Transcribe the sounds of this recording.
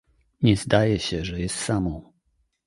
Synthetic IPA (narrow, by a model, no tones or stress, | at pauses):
ɲɛzd̪ajɛɕɛʐɛjɛst̪samɔ̃w̃